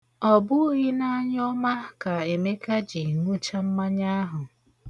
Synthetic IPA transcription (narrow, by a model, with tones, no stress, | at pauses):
ɔ˨bʊ˦ɣi˦na˦ɲ˦ɔ˦ma˦ka˨e˨me˦ka˦d͡ʒi˨ŋu˦t͡ʃa˦m̩˦ma˦ɲa˦ɦʊ˨